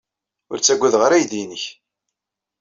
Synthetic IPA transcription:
ʊ̰ɾt͡sːæɡʷːæðʁəɾæjd̪inəç

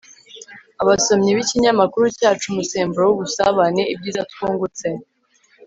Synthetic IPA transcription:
aβaso̞mɲiβiciɲamakuɾucaːt͡ʃumuse̞ːmbuɾowuβusaβane̞ib̚ɟiːzatkuːŋɡut͡se̞

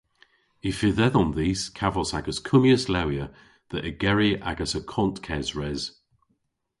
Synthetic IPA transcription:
ɪfɪðɛðɔnðiːskʰavɔsaɡəzkʰʊmjəslawjə | ðəʔəɡɛɹiʔa̰ɡəsəkʰɔntkʰɛzɹɛz̥

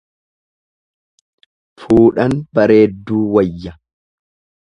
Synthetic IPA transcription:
fuːᶑɐnbɐɾe̞ːd̪ːuːwɐjːɐ

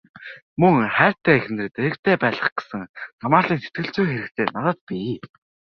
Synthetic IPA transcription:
mɵŋχæːr̥ʲt̪ʰæːx̆nɘ̆rɘ̆t̪eɾɘ̆kt̪ʰeːpæːɮə̆χɡe̥sɘ̆ŋsamaːɮiːnset̪̚ɡɘ̆ɬt͡sujxeɾɘ̆kt̪ʰeːnat̪ə̆t̪̚pi

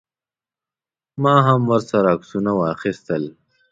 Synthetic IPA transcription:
mɑːɦamwəɾsaɾaksunawɑːxist̪əl

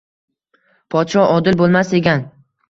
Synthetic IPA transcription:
pʰɒt̪ʃɒʔɒd̪ɪlbolˠmaseɡʲan

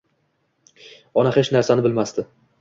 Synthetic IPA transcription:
ɒnahet͡ʃnaɾsanɪbɪlmast̪ɪ

